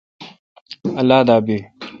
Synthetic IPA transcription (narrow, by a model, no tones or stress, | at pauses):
ɐlaːd̪aːbiː